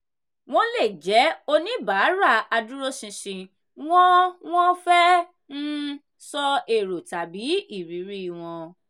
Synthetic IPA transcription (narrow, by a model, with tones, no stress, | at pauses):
w̃ɔ̃˦le˦˨d͡ʒɛ˨˦o˧nĩ˦ba˨˦ɾa˦˨a˧du˦ɾo˦sĩ˧ʃĩ˧ | w̃ɔ̃˦w̃ɔ̃˦fɛ˦ | n̩˦ | sɔ˦e˨ɾo˨ta˨bi˨˦i˦˨ɾi˨˦ɾi˦˨w̃ɔ̃˧